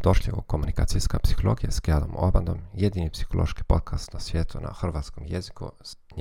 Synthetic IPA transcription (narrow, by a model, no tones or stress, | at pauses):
d̪o̞ʃlʲjeo̰komunika̰ːt̪sijskapsi̥xolˠo̞ːɡijaskad̪o̰moband̪o̞mjed̪iːnipsi̥xolˠoʃki̥po̞t̪̚kʰast̪nasʋjeːt̪ʰuna̰xr̩ʋaːt̪skomjezikṵs | ɲ